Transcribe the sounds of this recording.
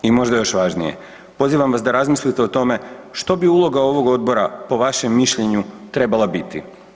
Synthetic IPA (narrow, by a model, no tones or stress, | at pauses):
imo̞ʒd̪ajo̞ʃʋaʒnije̞̰ | po̞ziʋamʋasd̪aɾazmislit̪e̞ot̪o̞me̞ʃt̪o̞biulˠo̞ɡao̞ʋo̞ɡo̞d̪̚bo̞ɾapo̞ʋaʃe̞mːiʃʎe̞ɲut̪ɾe̞balˠabit̪ḭ